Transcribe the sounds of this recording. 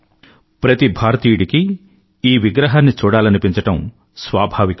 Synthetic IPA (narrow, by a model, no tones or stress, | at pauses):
pɾɐt̪ibʱaːɾɐt̪iːjuɽiki | iːʋiɡɾɐɦaːnːit͡ʃuːɽaːlɐnipiɲt͡ʃɐʈɐm | sʋaːbʱaːʋikɐ